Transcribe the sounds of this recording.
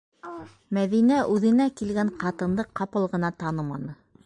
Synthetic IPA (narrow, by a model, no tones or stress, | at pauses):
mæðinæʔʉðɘ̆nækilɡæɴqɑt̪ɤ̆nd̪ɤqːɑpɤlˠʁɤ̆nɑt̪ɑnɤmɑnɤ